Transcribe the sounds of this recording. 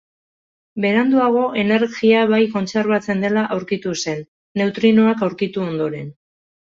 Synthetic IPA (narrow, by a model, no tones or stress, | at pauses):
be̞ɾand̪uaɣ̞o̞ʔe̞ne̞ɾɣiaβajko̞nt͡se̞ɾβ̞at͡se̞nd̪e̞laʔawɾkit̪use̞nː | e̞wt̪ɾinoakawɾkit̪uo̞nd̪o̞ɾe̞n